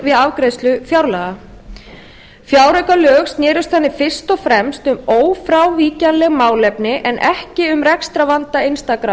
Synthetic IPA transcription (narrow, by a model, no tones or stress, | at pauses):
vɪðavkɾejst̪lʏfjawɾlaːɣa | fjaːwɾœjkalœːxsnjɛːɾʏst̪θanːɪfɪr̥st̪ɔfɾɛmst̪ʏmoːwfɾawviːcanlɛɣmaːwlɛpnɪʔɛnʔɛhcɪʏmrɛkst̪ɾavant̪aɪnst̪akɾa